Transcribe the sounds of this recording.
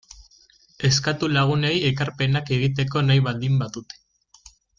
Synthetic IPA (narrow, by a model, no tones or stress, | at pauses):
e̞skat̪ulaɣ̞une̞je̞kaɾpe̞nake̞ɣ̞it̪e̞ko̞najβald̪imbaðut̪e̥